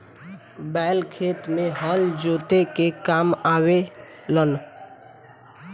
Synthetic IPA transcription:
baɪlkʰet̪mẽɦəld͡ʒot̪ekekamawe | lən

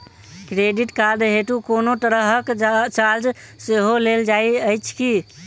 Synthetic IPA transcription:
kɾeɖiʈkad̪ɦeʈukonoʈəɾəɦəkt͡ʃald͡ʒseɦoleld͡ʒajəjt͡ʃʰki

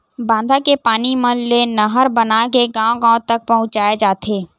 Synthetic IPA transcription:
bãːnd̪ʱakepaːnimə̃lenəɦəɾbənakeɡãːõɡãːõt̪ɐk̚pɐɦʊ̃t͡ʃaːed͡ʒaːt̪ʰeː

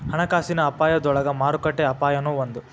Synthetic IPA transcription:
hɐɳɐkaːsinɐːpaːjɐd̪ɔɭɐɡɐmaːɾukɐʈːeɐpaːjɐnuːʋɐnd̪u

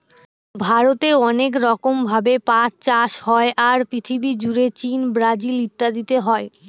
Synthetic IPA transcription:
bʱaɾot̪eɔnekɾɔkombʱabepãɾt͡ɕaʃhɔeʔaɾpɾit̪ʰibid͡ʑuɾet͡ɕinbɾad͡ʑilit̪ːad̪it̪eɦɔe

